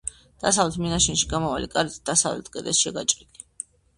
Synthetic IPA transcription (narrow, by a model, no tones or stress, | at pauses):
d̪̥asavlɛt̪ʰminaʃɛnʃiɡamɔvalikʼaɾit̪ʰd̪̥asavlɛ̰t̪̚ʰɡʼɛd̪ɛsʃɛɡat͡ʃʼqʼid̪ʼi